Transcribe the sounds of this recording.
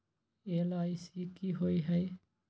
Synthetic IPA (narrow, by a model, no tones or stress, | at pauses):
elajsikiɦoiɦɐj